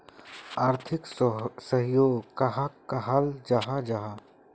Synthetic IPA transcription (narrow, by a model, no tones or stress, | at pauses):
aːɾt̪ʰɪksəɦjoːɡkaɦakaɦald͡ʒaɦad͡ʒaɦa